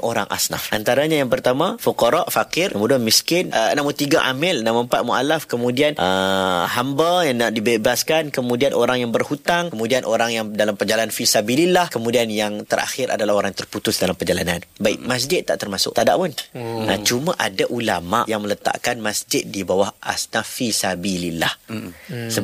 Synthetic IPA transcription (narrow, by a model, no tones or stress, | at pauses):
ʔoɾa̰ŋʔa̰sna̰fʔa̰nt̪aɾaɲajaŋpərt̪amãfuqɔɾaʔfakɪrəmuduanmiskɪnənamut̪iɡaʔamɪlnaʔməmpat̪̚mua̰lafkəmũdianʔəhambajanaʔdibebaskankəmũdianʔoɾaŋjaŋbərhut̪aŋkəmũdianʔoɾaŋjaŋdalampərd͡ʒalaanfisabililahkəmũdianjaŋt̪əra̰xɪɾa̰dalahoɾaŋt̪ərput̪ʊsdalampərd͡ʒalananbaiʔmas̬d͡ʒɪt̪ːaʔt̪ərmasʊ̰ʔt̪ada̰ʔpʊnʔət͡ʃumaʔadaʔulama̰ʔjaŋmələt̪a̰ʔkanmasd͡ʒɪt̪̚dibawahʔa̰snafisabilila̰h | sə